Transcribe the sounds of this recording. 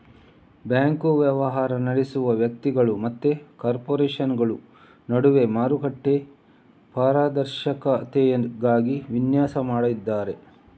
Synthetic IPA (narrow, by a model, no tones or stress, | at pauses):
bjaːŋkuʋjɐʋɐɦaːɾɐnɐɽesuʋɐʋjɐk̚t̪iɡɐɭumɐt̪ːekaːɾpoːɾeːʃɐnɡɐɭu | nɐɽuʋe̞maːɾuɡɐʈːe̞ | paːɾaːd̪ɐɾʃɐkɐt̪ejɡaːɡiʋinjaːsɐmaːɽɐid̪ːaːɾe̞